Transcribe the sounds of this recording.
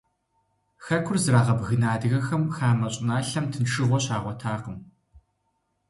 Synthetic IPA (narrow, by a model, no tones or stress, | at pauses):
xɐkʷʰʊrzɨɾaːʁɐbɣɨnaːdɣɐxɐmxaːmɐɕʼɪnaːɬɐmtʰɨnʂɨʁʷɔɕaːʁʷɔtʰaːqəm